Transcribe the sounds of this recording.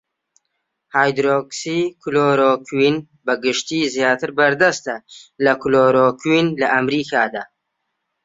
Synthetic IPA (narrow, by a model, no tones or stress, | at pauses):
haːjd̪ɾoksikʰuloːɾoːkʰwin | bɐɡɨʃt̪iːzjaːt̪ɨɾbɐɾd̪ɐst̪ɐlɐkuloɾokʰinlɐʔɐmɾiːkʰaːd̪aː